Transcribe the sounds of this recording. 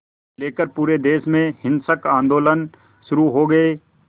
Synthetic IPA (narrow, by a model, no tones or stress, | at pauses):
leːkəɾpuːɾed̪eːsmẽhɪ̃nsəkãːnd̪oːlən | ʃʊɾuɦoːɡɐeː